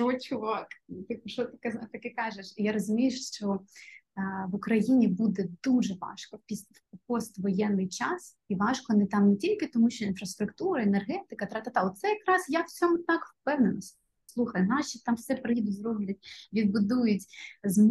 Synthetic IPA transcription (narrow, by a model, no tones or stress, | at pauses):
ɔt͡ʃʲʊʋɑkt̪ɪpʃɔt̪ɐ̥kɛt̪ɐkɛkɑʒeʃjaɾɔzʊmʲijeʃʃt͡ʃɔ | ʋʊkɾɐjinʲibud̪ɛd̪uʒɛʋɑ̰ʃkɔpʲis | pɔst̪ʋɔjɛnːɪjt͡ʃɑs | iʋɑʃkɔnɛt̪ɑmnetʲilʲkɪt̪ɔmuʃt͡ʃɔinfɾɐst̪ɾʊkt̪uɾɐenerɦɛt̪ɪkɐt̪ɾɐt̪at̪ɑɔt̪t̪sɛjɐkɾɑsjawt͡sʲɔmʊt̪ɑkfpɛwnenɔsʲtʲ | slˠuxɐjnɑʃʲit̪ɑmfsɛpɾɪid̪ʊtʲzɾɔblʲɐt̚ʲʋʲid̪̚bʊd̪ujʊtʲzm